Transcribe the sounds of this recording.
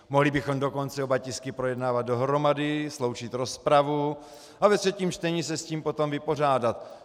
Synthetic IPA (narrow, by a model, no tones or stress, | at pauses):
moɦlɪbɪxo̞mdoko̞nt͡sɛobacɪskɪpɾo̞jɛdnaːvat̪̚do̞ɦɾo̞madɪslo̞wt͡ʃɪt̪ɾo̞spɾavu | avɛt̪rɛciːmt͡ʃt̪ɛɲisɛsciːmpo̞t̪o̞mvɪpo̞r̝aːdat̪